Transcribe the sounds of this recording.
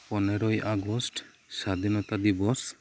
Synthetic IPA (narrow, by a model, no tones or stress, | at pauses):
pɔnɛɾɔjʔaɡɔsʈ | sad̪ʱinɔt̪ad̪ibɔs